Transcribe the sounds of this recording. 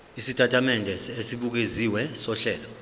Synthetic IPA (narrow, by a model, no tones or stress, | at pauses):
isitʰʼatʰamɛndʱɛsesiɓuk̬eziwɛsɔɬɛːlɔ